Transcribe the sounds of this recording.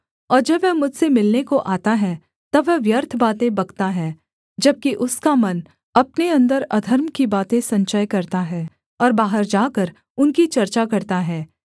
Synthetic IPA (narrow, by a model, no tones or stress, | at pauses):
ɔːɾd͡ʒɐbʋɛɦmʊd͡ʒʱsemɪlnekoʔaːt̪aɦɛ | t̪ɐbʋɛʋjɐɾt̪ʰbaːt̪ẽbɐɡt̪aɦɛː | d͡ʒɐb̚kiʔʊskamɐn | ɐpneɐ̃nd̪əɾɐd̪ʱəɾmkibaːt̪ẽsɐ̃ɲt͡ʃəjkɐɾt̪aɦɛː | ɔːɾbaːɦəɾd͡ʒaːkəɾ | ʊnkit͡ʃɐɾt͡ʃakɐɾt̪aɦɛː